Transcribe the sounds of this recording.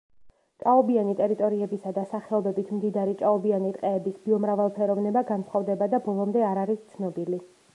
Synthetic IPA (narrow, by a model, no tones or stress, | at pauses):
t͡ʃʼaɔbianit̪ʼɛɾit̪ʼɔɾiɛbisad̪asaχɛɔbɛbit̪ʰmd̪id̪aɾit͡ʃʼaɔbianit̪ʼqʼɛːbisbiɔmɾavalˠpʰɛɾɔvnɛbaɡansχɔvd̪ɛbad̪abɔlˠɔmd̪ɛaɾaɾist̪sʰnɔbili